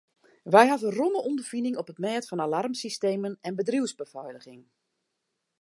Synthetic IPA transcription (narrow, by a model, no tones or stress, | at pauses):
ʋɛjɦavənrɔnəɔmdəfinɪŋɔpətmɛːtfɔnalarmsisteːmənɛnbədriwzbəvɔjləɣɪŋ